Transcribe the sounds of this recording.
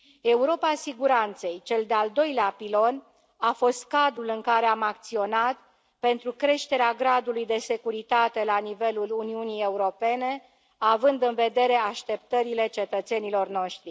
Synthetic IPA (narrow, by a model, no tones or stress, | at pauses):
e̞uɾo̞pasiɡuɾant̪se̞jt͡ʃe̞ld̪eald̪o̞jleapilo̞n | afo̞st̪kad̪ɾulɨŋkaɾe̞amak̚t̪sio̞nat̪ | pe̞nt̪ɾukɾe̞ʃt̪e̞ɾeaɡɾad̪ulujd̪e̞se̞kuɾit̪at̪e̞lanive̞luluniunije̞uɾo̞pe̞ne̞ | avɨnd̪ɨnve̞d̪e̞ɾe̞aʃt̪e̞p̚t̪əɾile̞t͡ʃe̞t̪ət̪se̞nilo̞rno̞ʃt̪ɾi